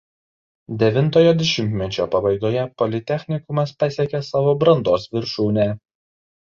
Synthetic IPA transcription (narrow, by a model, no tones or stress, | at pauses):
d̪ʲɛʋʲɪnˑt̪oːjoːd̪ʲɛʃʲɪmʲt̪ʲmʲɛt͡ʃʲoːpɐbɐɪɡ̪oːjɛpɔlʲɪt̪ʲɛxʲnʲɪkʊmɐspɐsʲeɛkʲɛsɑːʋoːbɾɐnd̪oːsʋʲɪɾʃuːnʲɛ